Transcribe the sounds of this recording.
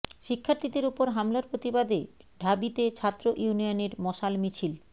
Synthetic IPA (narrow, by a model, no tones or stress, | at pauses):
ʃikʰːaɾt̪id̪eɾupoɾɦamlaɾpɾot̪ibad̪e | ɖʱabit̪et͡ɕʰat̪ːɾoʔjunijoneɾmɔʃalmit͡ɕʰil